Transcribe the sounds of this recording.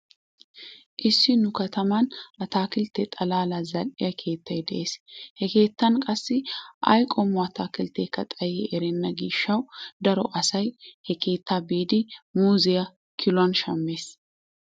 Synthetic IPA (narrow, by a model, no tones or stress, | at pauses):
ʔɪsːɪnʊkɐt̪ʰɐmɐnʔɐt̪aːkɪlt̪ɛt̪ʼɐlaːlazɐkʼːɪjɐkʰe̞ːt̪ːɐjd̪ɛʔe̞ːshɛke̞ːt̪ːɐnkʼɐsːɪʔɐ̰jkʼɔmːɔɐt̪ʰaːkɪlt̪eːkːɐt̪ʼɐjɛʔɛɾɛnːɐɡiːʃːɐwd̪ɐɾɔʔɐsɐjhɛkʰe̞ːt̪ːaːbiːd̪ɪmuːzɪjɐ | kʰɪlʊwɐnʃɐmːe̞ːs